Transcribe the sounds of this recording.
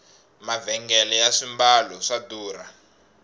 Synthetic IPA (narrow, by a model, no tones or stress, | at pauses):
mavɛŋɡɛlɛjaʂimbalɔʂaduːra